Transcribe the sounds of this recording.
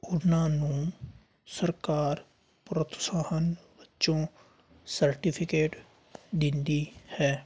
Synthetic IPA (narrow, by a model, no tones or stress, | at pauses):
ʊnãːnũː | səɾkaːɾ | pɾət̪saːhənʋɪtːt͡ʃõː | səɾʈɪpʰɪkeːʈ | d̪ɪnd̪iːhɛː